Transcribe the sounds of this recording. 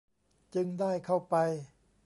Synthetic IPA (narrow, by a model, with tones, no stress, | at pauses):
t͡ɕɯ˧ŋdaː˥˩jkʰa˥˩wpa˧j